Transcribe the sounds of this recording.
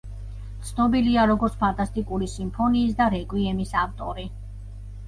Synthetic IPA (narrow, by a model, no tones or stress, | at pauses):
t̪sʰnɔbiliaɾɔɡɔɾt̪spʰant̪ʼast̪ʼikʼuɾisimpʰɔniːsd̪aɾɛɡʼwiɛmisaft̪ʼɔɾi